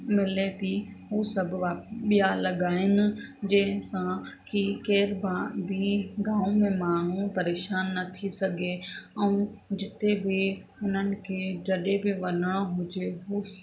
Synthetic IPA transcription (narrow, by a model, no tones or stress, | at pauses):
mɪlet̪iɦuːsɐbʱʋaɓijalɐɡaːɦɪnɪ̆d͡ʒẽːɦsãkikeːɾbãbʱiɡaːõmẽmaːn̤ũpɐɾeːʃaːnːɐt̪ʰisɐɡʱeɛ̃ũd͡ʒɪt̪ebʱɪ | ʊn̤ənɪ̆kʰeːd͡ʒɐɗebʱɪʋɐnəɽ̃oɦʊd͡ʒeɦuː